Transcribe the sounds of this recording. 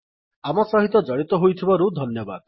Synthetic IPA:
amɔsɔɦit̪ɔd͡ʒɔɽ̃it̪ɔɦojt̪ʰibɔɾud̪ʱɔnjɔba̰d̪

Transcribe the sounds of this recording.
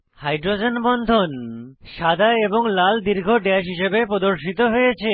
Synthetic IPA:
hajɖɾod͡ʑenbɔnd̪ʱonʃad̪ʱaeboŋlald̪iɾɡʱoɖɛʃ̬ɦiʃebepɾod̪oɾʃit̪oɦojet͡ɕʰe

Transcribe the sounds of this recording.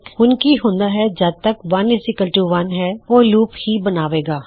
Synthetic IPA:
hʊnkiːɦʊ̃ːnd̪aːɦɛd͡ʒəd̚t̪əkʋənɪsɪkəlʈuːʋənɦɛːoːluːphiːbənaːʋeːɡaː

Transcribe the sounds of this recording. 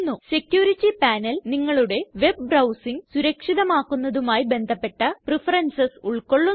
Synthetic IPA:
nːuse̞kjuːɾitːipaːnɐlniŋːɐɭuɽe̞ʋe̞b̚brɐwsiŋsuɾɐkʂiðɐmaːkːunːɐðumaːjibe̞nd̪ʱɐpːe̞ʈːɐprifɐrɐnsɐsuɭkoɭːu

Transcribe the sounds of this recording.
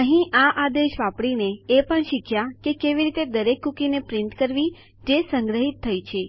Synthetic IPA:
əɦĩʔaʔad̪eʃʋapɽineepəɳʃikʰjakekeʋiɾit̪ed̪əɾekːukinepɾɪnt̪kəɾʋi | d͡ʒesəŋɡɾəɦit̪ʰːəjt͡ʃʰe

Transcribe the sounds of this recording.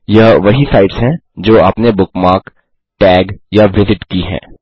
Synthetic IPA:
jɐʋɐɦisaːɪʈsɦɛ̃ːd͡ʒoːaːpnebʊkmaːk | ʈɛːɡjaʋɪzɪʈkiɦɛ̰̃ː

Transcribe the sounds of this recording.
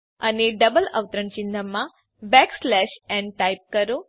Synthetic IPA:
əneɖəbələ̰ʋt̪ɾəɳt͡ʃind̪ʱəmã | bɛkslɛʃɛɳʈajp̚kəɾo

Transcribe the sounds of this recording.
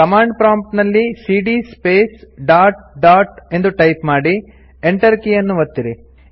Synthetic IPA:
kɐmaːɳɖpɾaːmpnɐlːisiːɖispeːsɖaːʈ̚ɖaːʈe̞nd̪uʈɐjpmaːɽi | eɳʈɐɾkijɐnːuʋɐt̪ːiɾi

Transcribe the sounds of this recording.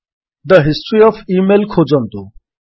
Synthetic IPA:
d̪əɦɪsʈɾiɔfiːmelkʰod͡zə̃nt̪u

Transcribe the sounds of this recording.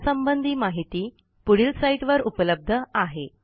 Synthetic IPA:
səmbənd̪ʱiːmaɦit̪iː | puɽiːlsaiʈʋəɾupələb̚d̪ʱəaɦe

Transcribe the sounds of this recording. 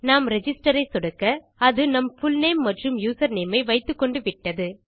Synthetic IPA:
naːmɾɛd͡ʒɪsʈɐɾɐɪsɔɽɯkːɐ | ɐðɯnɐmfʊlnɐɪmːɐʈrɯmjuːsɐɾneːmɐɪʋɐɪt̪ːɯkːɔɳɖɯʋɪʈːɐðɯ

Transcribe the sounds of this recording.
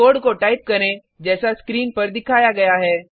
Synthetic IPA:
oːɽkoʈaːip̚kɐɾẽ | d͡ʒɛːsaskɾiːnpəɾd̪ɪkʰaːjaɡɐjaɦɛː

